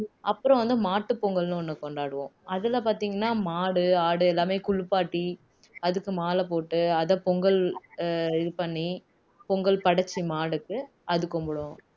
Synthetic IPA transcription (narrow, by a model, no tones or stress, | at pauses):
ʔɐpːɯɾɔ̃ʋɐnd̪ɯmaːʈːɯpɔŋɡɐlnʊ̃ɔnːɯkːɔɳɖaːɽɯʋõːɐðɪlɐpaːɾt̪iːŋɡɐnːaːmaːɽɯaːɽɯɛlːaːmeːkʊɭɯpːaːʈːi | ɐðɯkːɯmaːlɐp̬oːʈːɯɐðɐpɔŋɡɐɭ | ɪðɯpɐɳːi | pɔŋɡɐɭpɐɽɐt͡ʃːimaːɽɯkːɯ | ɐðɯkːɔmbɐɽʊ̃